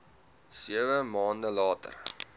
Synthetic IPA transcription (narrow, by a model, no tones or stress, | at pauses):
siəvəmɑːndəlɑːtə̰r